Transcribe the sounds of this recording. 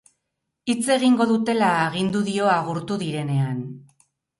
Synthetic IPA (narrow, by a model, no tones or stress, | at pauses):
it͡se̞ɣiŋɡo̞ðut̪e̞laeɣind̪uðio̞aɣuɾt̪uðiɾe̞ne̞an